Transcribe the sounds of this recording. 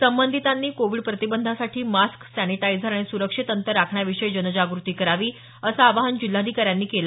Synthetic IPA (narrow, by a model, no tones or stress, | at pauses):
səmbənd̪ʱit̪anːiːkoʋiːɖpɾət̪ibənd̪ʱasaʈʰiːmasksæniʈajd͡zəɾaɽ̃isuɾəkʂit̪ənt̪əɾːakʰɳjaʋiʂəjd͡ʑənəd͡ʑaɡɾut̪iːkəɾaʋiː | əsaːʋaɦənd͡ʑil̤ːad̪ʱikaɾjanːiːkela